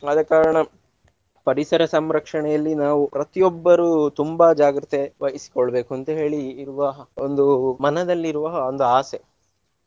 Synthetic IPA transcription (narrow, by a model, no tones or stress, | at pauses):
ɐd̪ɐkːaːɾɐɳɐ | pɐɾisɐɾɐsɐmɾɐkʂɐɳɛjɐlːinaːʋupɾɐt̪ijɔbːɐɾuːt̪umbad͡ʒaːɡɾit̪eʋɐjisi̥koɭːɐbe̞ːkuɐnt̪ɐɦe̞ːɭiːɾuʋɐɐond̪umɐnɐd̪ɐlːiɾuʋɐond̪uaːse